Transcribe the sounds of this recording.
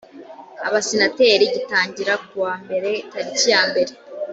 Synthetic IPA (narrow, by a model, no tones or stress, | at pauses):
a̰βasinateɾiɟitaːɲɟiɾak̚uwaːmbe̞ɾe̞taɾicijaːmbe̞ɾe̞